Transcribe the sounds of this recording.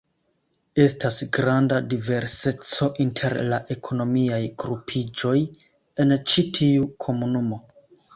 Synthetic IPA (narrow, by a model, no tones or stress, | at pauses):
e̞stasɡɾandadive̞ɾse̞t͡so̞ʔintʰe̞ɾlaʔe̞kʰo̞no̞miajɡɾupʰid͡ʒo̞j | e̞nt͡ʃitʰiukʰo̞munumo̞